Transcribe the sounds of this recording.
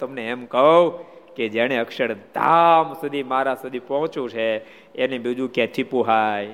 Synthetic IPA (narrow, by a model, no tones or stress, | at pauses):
t̪əmneɛmkəɦoked͡ʒaɽ̃eəkʃəɾd̪ã̰msud̪ʱimaɾasud̪ʱipɔɦt͡ʃũt͡ʃʰe | enĩbid͡ʒũket̪ʰipũɦaj